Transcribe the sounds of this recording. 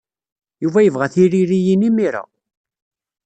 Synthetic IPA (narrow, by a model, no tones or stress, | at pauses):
juvæjəvʁæθiɾiɾijinimiɾa̰